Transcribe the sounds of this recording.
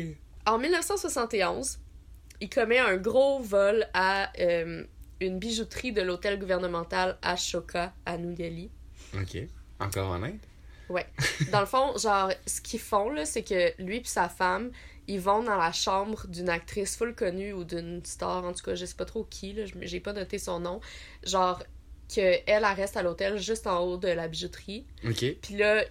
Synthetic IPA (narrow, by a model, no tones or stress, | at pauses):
ɑ̃milnəfsɑ̃swasɑ̃t̪eɔ̃z | ilkʰɔmɛə̃ɡʁovɔlaømynbiʒut̪ʁid̪əlot̪ɛlɡuvɛʁnəmɑ̃t̪ala̰ʃokʰaanud̪ɛli | o̰kʰʲḛɑ̰̃kɔ̰ːʁɑ̰nɛ̃ɪt̪ | wɛd̪ɑ̃ləfɔ̃ʒɑ̃ːʁsə̥kʲifɔ̃lʌsekəlɥipi̥safam | ilvɔ̃d̪ɑ̃laʃɑ̃bʁd̪ynak̚t̪χɪsfʊlkɔnyud̪ynst̪ɑːʁɑ̃t̪u̥kʌʒəsɛ̥pʌt̪χokʲʰilʌʒmʒepʌnɔt̪esɔ̃nɔ̃ | ʒɑ̃ːʁ | kʰʲəɛlaʁɛst̪alot̪ɛlʒʏst̪ɑ̃od̪əlabiʒut̪χi | okʲepilʌ